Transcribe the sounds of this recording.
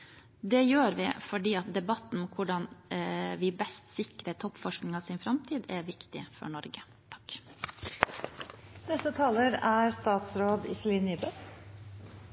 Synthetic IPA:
d̪ɛjøːɾʋɪ̰fɔɖiːɑt̪̚d̪ɛbɑt̪n̩kʰʊɖɑnʋɪbɛst̪sɪkɾət̪ʰɔpːfɔʂknɪŋɑsɪnfɾɑmt̪ʰiːd̪ɛʋɪkt̪ɪ̰fɔ̰ɳɔɾɡə | t̪ʰɑ̥k | nɛst̪ət̪ʰɑːləɾæɾst̪ɑːt̪sɾoːd̪ɪ̰sliniːbə

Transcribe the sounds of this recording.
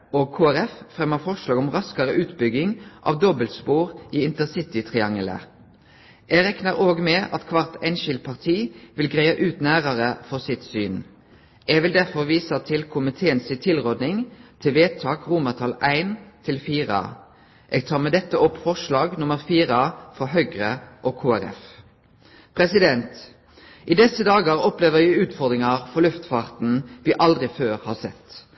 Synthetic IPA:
oːɡ̚kʰoːæʁɛffʁɛmːəʁfɔʁʃlɑːɡʊmʁɑskɑʁəʔʉːt̪bʏɡɪŋʔɑ̰ːʋd̪ɔbəlt̪spuːʁiːɪnt̪əsɪt̪ɪt̪ʰʁɪɑŋələ̰ | ʔeːɡʁɛknəʁoːɡmeːʔɑ̰t̪kʰʋɑʁt̪ʰæɪnʃɪlt̪̚pʰɑʁt̪ʰiːʋɪlɡʁæɪɑʔʉːt̪næːʁɑʁəfɔʁsɪt̪syːn | ʔeːʋɪld̪æʁfɔʁʋiːsət̪ʰɪlkʰʊmɪt̪ʰeːənsɪt̪ʰɪlʁoːd̪nɪŋt̪ʰɪʋeːt̪ʰɑːkʁumət̪ʰɑlæɪnt̪ʰɪlfiːʁə̰ | ʔeːɡ̚t̪ʰɑːʁmeːd̪ɛt̪ːəɔpfɔʁʂlɑːɡnʊməʁfiːʁəfʁɔɦœɡʁəʔoːkʰoːæɾɛ̰f | pʰʁɛsɪd̪ɛnt̪ | ʔiːd̪ɛsəd̪ɑːɡɑʁɔpleːʋəʁæʉːt̪fɔʁd̪ʁɪŋɑʁfɔʁlʉft̪fɑːʁt̪n̩ʋɪʔɑld̪ʁɪføːʁhɑːʁsɛt̪

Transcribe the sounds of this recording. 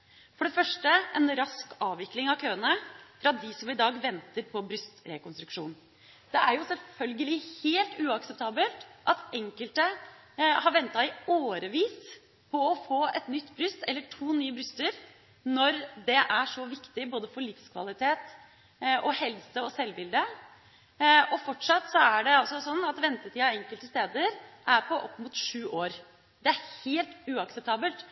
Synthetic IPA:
fɔɖɛfœʂʈəɛnɾɑskɑːʋɪklɪŋɑʋkʰøːənəfɾɑd̪ɪsɔmɪd̪ɑːɡʋɛnt̪əɾpʰɔbɾʉst̪ɾɛkɔnst̪ɾʉkʂuːn | d̪̥ɛʔæɾjʊsɛlfœlɡəlɪheːlt̪ʉːɑksɛp̚t̪ʰɑːbəlt̪ʔɑt̪ɛŋkəlt̪ə | hɑɾʋɛnt̪ɑɪoːɾəʋiːs | pʰɔɔfoːɛt̪nʏt̪ːbɾʉst̪ɛlːəʈʰuːnyːəbɾʉst̪əɾ | nɔɾd̪ɛʔæʂɔʋɪkt̪ɪboːd̪əfɔɭɪfskʰʋɑ̰lɪt̪ʰeːt̪ | ʔɔhɛlsəɔsɛlːbɪld̪ə | ɔfɔʈʂɑt̪sɔæɖɛɑlsɔsɔnːɑt̪ʋɛnt̪ət̪iːɑɛŋkəlt̪əst̪eːd̪əɾʔæɾpʰɔʔɔpːmuːt̪ʂʉːʔoːɾ | d̪ɛæɾheːlt̪ʉːɑksɛp̚t̪ʰɑːbəlt̪

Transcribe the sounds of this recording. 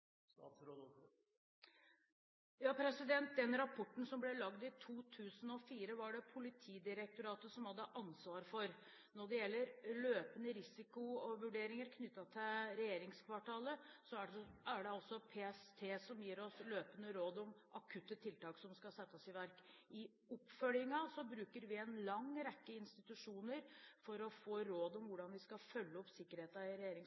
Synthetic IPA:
sɾod̪ | jɑːpʰɾɛsɪd̪ɛnt̪̚d̪ɛnɾɑpʰɔʈːn̩sɔmblɛlɑɡd̪ɪt̪ʰuːt̪ʰʉːsən̩ɔfiːɾəʋɑɖɛpʰʊlɪt̪ʰiːd̪ɪɾɛk̚t̪ʊɾɑːt̪əsɔmhɑd̪ːəʔɑnsʋɑːɾfɔɾ | nɔɖɛjɛlːəɾløːpənəɾɪsɪkʊʋʉɖeːɾɪŋəɾkʰnʏt̪ːɑt̪ʰɪlɾɛjeːɾɪŋskʰʋɑʈʰɑːləsɔææɖɛɔsɔpʰeːɛst̪ʰeːsɔmjiːɾɔsløːpənəɾoːd̪ɔm | ɑkʰʉt̪ːət̪ʰɪlt̪ɑːksɔmskɑlsɛt̪ːəɔsɪʋæɾkɪ | ɔpfœljɪŋɑsɔbɾʉːkəɾʋɪɛnlɑŋɾɛkːəɪnst̪ɪt̪ʉʂuːnəɾfɔɾɔfoːɾoːd̪ɔmʋʊɖɑnʋɪskɑfœlːəɔpsɪkːəɾheːt̪ɑɪɾɛjeːɾɪŋ

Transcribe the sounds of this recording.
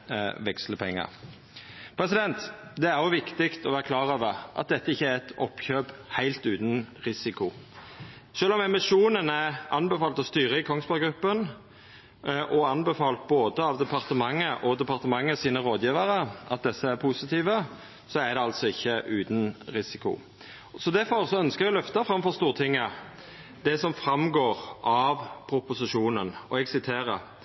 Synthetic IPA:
ʋɛksləpʰɛŋːə̰ʁ | pʰɾɛsɪd̪ɛnt̪d̪ɛæɾjʊʋɪkt̪ɪkt̪ɔʋæːɾəkʰlɑːʁøːʋəʁʔɑ̰t̪̚d̪ɛt̪ːəɪçːəæɾɛt̪ɔ̰pːçøːbhæɪlt̪ʉːt̪n̩ɾɪsɪkʊ | ʃøːlɔmɛmɪʂuːnənæʔɑnbɛfɑːlt̪ɔst̪yːɾəɪkʰɔŋsbɑɡɾʉpːən | ʔɔɑnbəfɑːlt̪̚boːd̪əɑʋd̪ɛpʰɑʁt̪əmɑŋːəʔɔd̪ɛpɑʁt̪əmɑŋːəsiːnəɾoːd̪jiːʋəɾəʔɑ̰t̪̚d̪ɛsːəæɾpʰʊsɪt̪ʰiːʋə | sɔæd̪ɛɑlt̪sɔɪçːəʔʉːt̪nɾɪsɪkʊ̰ | sɔd̪æfɔʁsɔœnskəɡɔlœft̪ɑfʁɑmfɔst̪uːʁt̪ʰɪŋːə | d̪ɛsɔmfɾɑmɡoːʁʔɑʋpʰɾʊpʊsɪʂuːnənɔ̰ɛɡsɪt̪ʰeːɾə

